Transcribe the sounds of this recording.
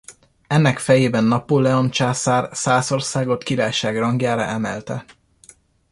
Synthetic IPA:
ɛnːɛkfɛjeːbɛnːɒpolɛont͡ʃaːsaːrsaːso̞rsaːɡo̞t̪kiɾaːjʃaːɡrɒŋɡjaːɾɒ̰ʔɛmɛ̰lt̪ɛ̰

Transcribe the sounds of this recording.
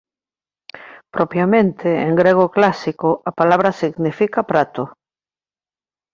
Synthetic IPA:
pɾopjamẽnt̪ʰeeŋɡɾeɣ̞oklasikoʔapalaβ̞ɾasiɣnifikapɾat̪o

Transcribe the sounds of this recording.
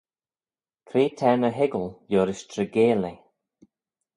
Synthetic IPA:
kʰɾeːt̪ʰɛnəɦɪɡəljoːɾɪʃtʰɾəɡeːle

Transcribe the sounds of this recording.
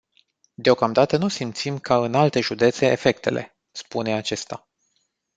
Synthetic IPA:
d̪eo̞kamd̪at̪ənusimt̪simkaɨnalt̪e̞ʒud̪e̞t̪se̞efe̞k̚t̪e̞̰lʔe̞̰ | spune̞at͡ʃe̞st̪a

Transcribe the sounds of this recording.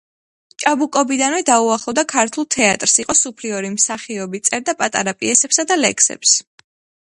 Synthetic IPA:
t͡ʃʼabukʼɔbid̪anvɛd̪auaχlˠɔvd̪akʰaɾt̪ʰulˠt̪ʰɛat̪ʼɾsiqʼɔsupʰliɔɾimsaχiɔbit̪sʼɛɾd̪apʼat̪ʼa̰ɾapʼiɛsɛpsad̪alɛ̰kʰsɛ̰ps

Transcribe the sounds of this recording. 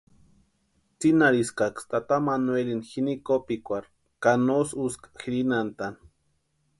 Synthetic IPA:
t͡sinaɾiskakst̪at̪amanwelinxinikopikʷaɾ | kanosuskḁxiɾinant̪an

